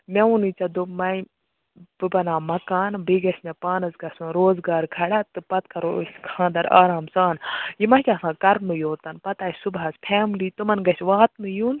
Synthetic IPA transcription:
mʲɐʋunɨt͡sɐd̪umɐj | b̥ɨbɐnaːmɐkaːnbiɡɐsnɐpaːnɐzɡɐsunɾoːzɡaːɾkʰɐɽat̪ɨpɐt̪kʰɐɾosʲkʰãːnd̪ɐɾa̰ːɾaːmt͡saːnjimɐkʲaɐːsãːkɐɾnɨjoːt̪ɐnpɐt̪aːjsubaːspʰaːmliːt̪umɐnɡɐsʲʋaːt̪nɨjuːn

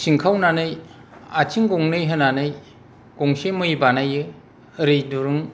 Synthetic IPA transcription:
siŋkʰawnanɯjat͡ʃʰiŋɡoŋnɯjɦɯnanɯj | ɡ̥oŋsemɯjbanajɯ | ɾɯjduɾɯŋ

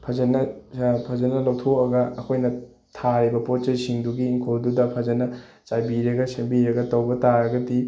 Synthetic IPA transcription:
pʰɐzɐnɐpʰɐzɐnɐlɐwtʰokɐɡɐːkʰojnɐ | tʰaɾibɐpot̚t͡ʃejsiŋduɡiːŋkʰoldudɐpʰɐzɐnɐ | t͡ʃajbiɾɐɡɐsɐmbiɾɐɡɐtɐwbɐtaɾɐɡɐdi

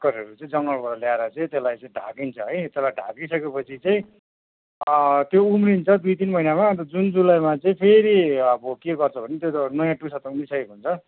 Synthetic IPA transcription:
kʌɾeʌɾut͡saĩd͡zʌŋɡʌlbʌɾʌljaeɾʌt͡saĩt̪elajt͡sʌĩɖʱa̰kint͡sʰʌɦʌjt̪elajɖʱa̰kisʌkepʌt͡sʰit͡saĩ | t̪joumrint͡sʰʌd̪ujt̪inmʌinamat̪ʌd͡zund͡zulajmat͡saĩpʰeɾiʌbʌkeɡʌrt͡sʰʌbʱʌnet̪jot̪ʌnʌjãʈusat̪ʌumrisʌkekunt͡sʰʌ

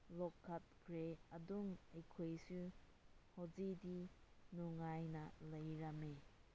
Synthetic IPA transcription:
lɔkʰːɐt̚kʰɾeɐduŋɐjkʰojsu | hozidinuŋajnɐlɐjɾɐme

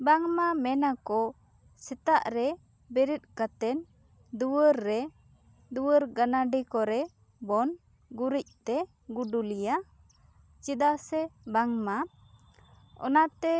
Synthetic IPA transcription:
baŋmamɛnakɔ | sɛt̪aʔɾɛ | bɛɾit̪̚kat̪ɛn | d̪uwəɾːɛ | d̪uwəɾɡanaɖikɔɾɛ | bɔn | ɡuɾic̚t̪ɛ | ɡuɖulija | t͡ʃid̪asɛbaŋma | ɔ̰nat̪ɛ

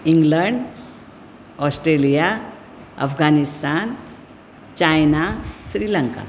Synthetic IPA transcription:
iŋɡləɳɖ | ɔsʈɾelija | ə̰fɡʱanist̪an | t͡ɕajnaɕɾiləŋka̰

